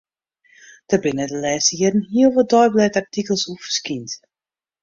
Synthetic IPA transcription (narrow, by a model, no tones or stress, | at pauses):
d̥əbɪnədəlɛːsiədənɦiəlˠʋədɔjblɛtartikəlˠsufə̥skint